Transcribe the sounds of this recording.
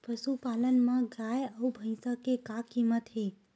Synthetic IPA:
pəsupaːlənmãɡajəubʱə̃ɪ̃səkekakimət̪ɦe

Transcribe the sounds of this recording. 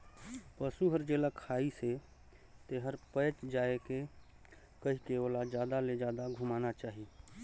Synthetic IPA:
pəsuɦəɾd͡ʒelakʰaːise | t̪eɦəɾpəːt͡ʃd͡ʒaːeke | kəɦikeoːlad͡ʒjaːd̪aled͡ʒaːd̪aɡʱumaːnat͡ʃaːɦi

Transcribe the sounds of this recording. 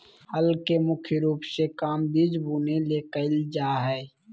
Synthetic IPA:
həlkemʊkʰjəɾuːpsekaːmbid͡ʒbuːneleːkəld͡ʒaːɦɛː

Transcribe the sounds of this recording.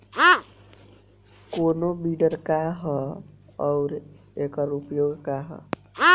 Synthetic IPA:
ɦã | konobiɖəɾkaɦə | ɔʊɾ | ekəɾupjoɡkaɦə̰ | ɦã

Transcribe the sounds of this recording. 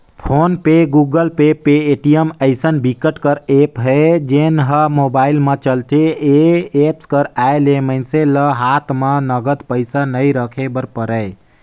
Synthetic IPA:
pʰonpeɡuɡəlpepeːʈijəməɪsənbʱikəʈkəɾepɦəd͡ʒenɦəmobailmet͡ʃəlt̪eeepskəɾajlemənseləɦat̪ʰmenəɡəd̪pəjsanəjɾəkʰebəɾpəɾəj

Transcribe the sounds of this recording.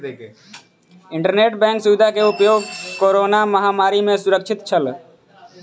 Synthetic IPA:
ɪ̃ɳʈəɾneːʈbɛ̃ːŋksʊʋɪd̪ʱakeʊpjoːɡkoːɾoːnaməɦaːmaːɾimẽsʊɾəkʃʰɪt̪t͡ʃʰəl

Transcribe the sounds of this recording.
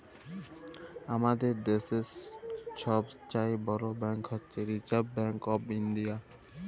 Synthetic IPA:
amad̪eɾd̪eʃesʃɔbt͡ɕaebɔɾobɛŋkɦotːɕʰeɾit͡ɕaɾbːɛŋkɔbind̪ija

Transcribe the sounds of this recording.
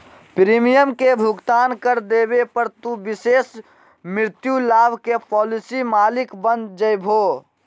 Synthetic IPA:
pɾiːmijəmkebʱʊɡt̪aːnkəɾd̪eːbepəɾt̪ubɪseːs | mɾɪɾɪt̪julaːbʱkepɔːlɪsimaːlɪkbənd͡ʒəjbʱoː

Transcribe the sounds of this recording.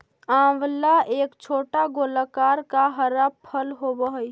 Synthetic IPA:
ãwlaeːkt͡ʃʰoːʈaɡolakaɾkaɦəɾabpʰəlɦobəɦəj

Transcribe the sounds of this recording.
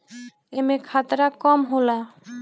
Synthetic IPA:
emekʰat̪ɾakɔmɦola

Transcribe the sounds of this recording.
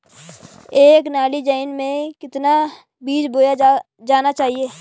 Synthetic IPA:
eːknaːlid͡ʒaɪnmẽkɪt̪na | biːd͡ʒboːja | d͡ʒaːnat͡ʃaːɦieː

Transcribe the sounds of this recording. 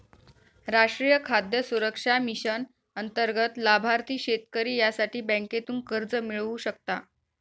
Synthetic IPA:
ɾaʂʈɾijəkʰad̪jəsuɾəkʂamiɕən | ənt̪əɾɡət̪labʱaɾt̪iːɕet̪kəɾiːjasaʈiːbə̃ket̪uːnkəɾd͡zəmiɭuɕəkt̪a

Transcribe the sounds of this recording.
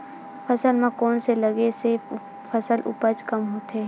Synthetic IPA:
pʰɐsəlmẽkɔːnselɐɡese | fʰəsəlʔʊ̰pəd͡ʒkɐmɦoːt̪e

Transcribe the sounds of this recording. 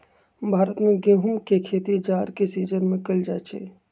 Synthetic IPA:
bʱaːɾət̪mẽɡẽːɦʊmkekʰeːt̪id͡ʒaːɾkesiːd͡ʒənmẽkəld͡ʒaːt͡ʃʰḛː

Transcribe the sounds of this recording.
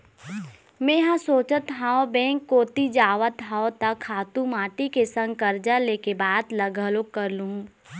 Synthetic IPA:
mɛ̃ɦãsoːt͡ʃət̪ɦaːobɛ̃ːŋkːoːt̪id͡ʒaːʋət̪ɦaːot̪ɐkʰaːt̪ũmaːʈikesə̃ŋɡ̚kɐɾd͡ʒaleːkebaːd̪lɐɡʱəlokəɾluɦũː

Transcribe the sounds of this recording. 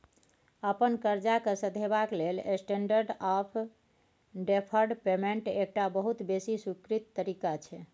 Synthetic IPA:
əpənkəɾd͡ʒakəsəd̪ʱebaklelḛsʈeɳɖəɾɖapʰ | ɖepʰəɾɖpemeɳʈek̚ʈabəɦut̪besisukɾit̪ːəɾikat͡ʃʰɛ

